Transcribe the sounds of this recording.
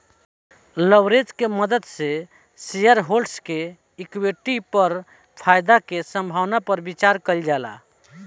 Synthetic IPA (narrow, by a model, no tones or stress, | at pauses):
ləwɾed͡ʒkeməd̪əd̪se | sijəɾɦolɖske | ikweʈipəɾ | pʰajd̪akesə̃mbʱawnapəɾbit͡ʃaɾkəld͡ʒala̰